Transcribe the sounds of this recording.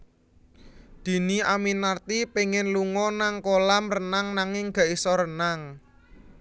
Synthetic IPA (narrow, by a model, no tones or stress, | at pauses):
d̪̥i̤niaminart̪ipeŋɪnluŋɔnaŋkolamrənaŋnaŋɪŋɡ̥a̤ʔisɔɾənaŋ